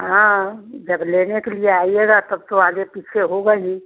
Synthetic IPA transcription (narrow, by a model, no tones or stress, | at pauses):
ɦãd͡ʒəbleːnekelieaːieɡat̪əbt̪oaːɡepiːt͡ʃʰeɦoɡəɦi